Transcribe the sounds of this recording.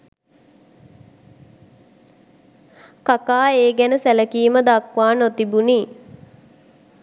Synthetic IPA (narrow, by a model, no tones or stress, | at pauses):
kakaːeːɡænəsæləkiːməd̪akʋaːnot̪ibuniː